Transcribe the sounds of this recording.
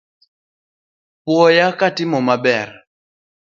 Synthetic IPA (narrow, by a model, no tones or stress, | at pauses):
pwɔjakatimɔmabɛɾa